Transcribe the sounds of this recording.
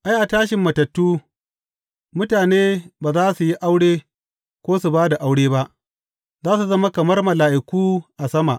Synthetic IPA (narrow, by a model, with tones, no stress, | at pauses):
ʔa˦jʔa˨taː˦ʃɪ˨mːɐ˨tɐ˨tːuː˦ | mʊ˦taː˨neː˦baː˨zaː˦su˨ji˦ʔa˦wɽeː˦ | kʷoː˦su˨baː˦da˨ʔa˦wɽeː˦ba˦ʔ | zaː˦s̬u˨zɐ˦ma˦kɐ˨mɐ˦rmɐ˨laː˨ʔɪ˨kʷuː˦ʔa˨sɐ˦ma̰˨ʔ